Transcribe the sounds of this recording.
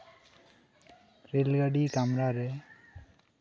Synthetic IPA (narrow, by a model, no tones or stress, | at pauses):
ɾelɡaɖikamɾaɾɛ